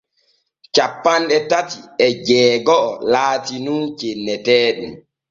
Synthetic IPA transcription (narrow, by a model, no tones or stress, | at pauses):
t͡ʃapːanɗɛtatiɛd͡ʒɛːɡɔʔːlaːtinunt͡ʃenːɛtɛːɗum